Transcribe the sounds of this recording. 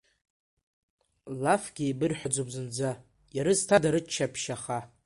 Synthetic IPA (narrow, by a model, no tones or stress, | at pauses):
lafɡʲijbɨrħʷᶣad͡zobzɨnd͡za | jaɾɨztʰadaɾɨt͡ʃʰːapʰʃaχa